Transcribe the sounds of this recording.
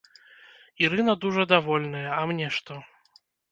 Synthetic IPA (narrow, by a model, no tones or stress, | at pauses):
iɾɨnɐd̪uʐɐd̪avɔlʲnɐjɐɐmnʲɛʂt̪ɔ